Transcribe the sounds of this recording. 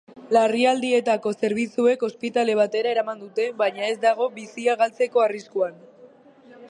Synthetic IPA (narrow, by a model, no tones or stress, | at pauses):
lariald̪ie̞t̪ako̞se̞ɾβit͡sue̞ko̞spit̪ale̞β̞at̪e̞ɾae̞ɾamand̪ut̪e̞bajɲae̞zd̪aɣ̞o̞βisiaɣ̞alt͡se̞ko̞ariskuan